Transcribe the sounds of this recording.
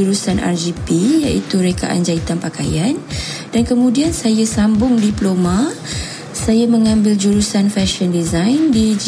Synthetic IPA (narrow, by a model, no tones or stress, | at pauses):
uɾusanʔa̰rd͡ʒipija̰ʔit̪uɾeka̰ʔa̰nd͡ʒait̪anpaka̰jand̥ankəmũdiansajasambʊŋdiplomã | sajaməŋãmbɪld͡ʒuɾusanfɛʃɔndizajndid͡ʒ